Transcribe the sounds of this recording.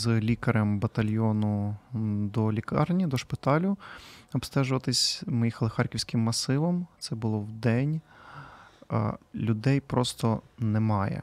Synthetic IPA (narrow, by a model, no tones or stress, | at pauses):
zlʲikɐɾɐmbɐt̪ɐlʲjɔnʊ | d̪ɔlʲikɑrnʲid̪ɔʃpɪt̪ɑlʲʊɔbst̪ɛʒʊʋɐt̪ɪsʲmɪjixɐlˠɪxɑrkʲiwsʲkɪmːɐsɪʋɐmt̪sɛbʊlˠɔwd̪ɛnʲ | lʲʊd̪ɛjpɾɔst̪ɔnɛmɑjɛ̰